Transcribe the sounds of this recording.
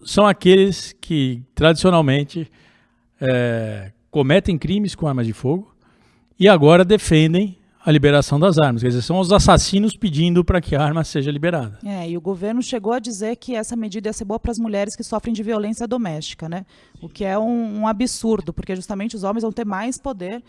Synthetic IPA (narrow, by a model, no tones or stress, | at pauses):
sɐ̃w̃akelɪskʰɪt̪ɾad͡ʒisionawmẽt͡ʃɪ | ɛ | komet̪ẽj̃kɾĩmɪskõaɾmɐzd͡ʒɪfoɡʊ | ɪaɡɔɾɐd̪efẽnd̪ẽj̃ | ɐlibeɾasɐ̃w̃d̪ɐzaɾmɐskɛd͡ʒizeɾsɐ̃w̃ʊzasasĩnʊspid͡ʒĩnd̪ʊpɾɐkʰɪaaɾmɐseʒɐlibeɾad̪ɐɛɪʊɡoveɾnʊʃeɡowɐd͡ʒizeɾkʰɪɛsɐmed͡ʒid̪ɐɛseɾbowɐpɾɐzmuʎɛɾɪskɪsɔfɾẽj̃d͡ʒɪviolẽsiɐd̪omɛst͡ʃi̥kɐnɛ | ʊkɪɛũũabɪsuɾd̪ʊpʊɾkeʒust̪ɐmẽnt͡ʃɪʊzõmẽzvɐ̃t̪eɾmajspod̪eɾ